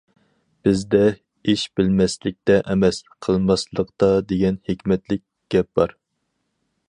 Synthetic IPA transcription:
b̥ɪzd̪ɛ | iʃbɪlmɛslɪk̚ʲt̪ɛʔɛmɛslɪqʰəlˠmɑslˠəqt̪ɑd̪eɡʲɛnhekʲmɛt̪lɪk̚ʲɡ̥ʲɛp̚b̥ɑɾ

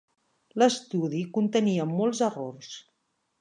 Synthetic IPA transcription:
ləst̪uðikunt̪əniəmolˠzərors

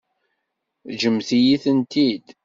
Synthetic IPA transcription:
ʒəmθijiθənt̪id̪

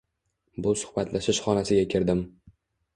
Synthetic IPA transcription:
bʊsʊ̥χbat̪ʰlaʃɪʃχɒnasɪɡʲakʲʰɪɾd̪ɪm

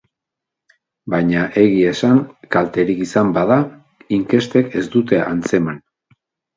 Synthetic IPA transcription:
bajɲaʔe̞ɣie̞saŋkalt̪e̞ɾikisambaða | iŋke̞st̪e̞ke̞sd̪ut̪e̞ʔant͡se̞man

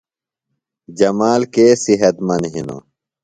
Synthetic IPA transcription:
d͡ʑɐmaːlkeːsiɦɐt̪mɐnɦḭno̰

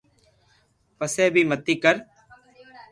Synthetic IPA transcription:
pəseːbʱiːmət̪ːiːkəɾ

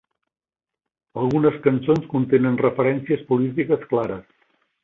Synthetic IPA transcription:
əlˠɣunəskənsonskunt̪enənrəfəɾɛnsiəspulit̪ikəsklaɾəs

